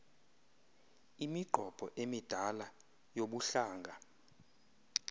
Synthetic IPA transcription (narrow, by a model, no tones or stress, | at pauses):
imiɡ͡ǃ̥ʱɔb̥ʱɔʔemid̥ʱala | joɓuɬaːŋɡʱa